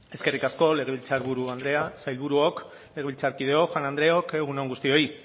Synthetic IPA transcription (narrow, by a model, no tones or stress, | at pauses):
e̞ske̞rikasko̞le̞ɣ̞e̞βilt͡saɾβuɾuand̪ɾe̞asajlβuɾuo̞k | le̞ɣeilt͡saɾkiðe̞o̞xwanand̪ɾe̞o̞ke̞ɣ̞unaŋɡust̪io̞i